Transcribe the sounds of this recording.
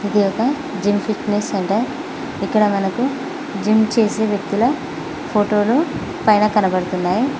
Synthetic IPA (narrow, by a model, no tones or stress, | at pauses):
id̪ijɔkɐ | d͡ʒimpʰiʈnesːɐɳʈe | ikːɐɽɐmɐnɐku | d͡ʒimt͡ʃe̞ːse̞ːʋjɐk̚t̪ulɐ | pʰoːʈo̞ːlu | pɐjnɐkɐnɐbɐɽut̪unːaːji